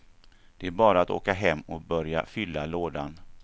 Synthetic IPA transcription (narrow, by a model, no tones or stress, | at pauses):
d̪̥ɛæɾbɑːɾaat̪o̰ːkaɦɛmːɔbœɾja̰fʏlːaloːd̪an